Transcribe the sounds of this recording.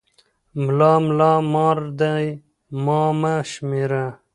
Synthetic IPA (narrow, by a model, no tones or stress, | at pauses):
mlɑːmlɑːmɑːɾd̪aj | mɑːmaʃmiɾa